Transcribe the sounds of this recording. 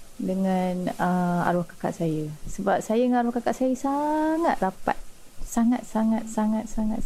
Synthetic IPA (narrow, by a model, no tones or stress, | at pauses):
dəŋãnəa̰ɾuhkḁka̰ʔsajəsəbap̚sajədəŋanaɾuhkakaʔsajəsaŋat̪̚rapa̰t̪̚saŋat̪̚saŋat̪̚saŋat̪̚saŋat̪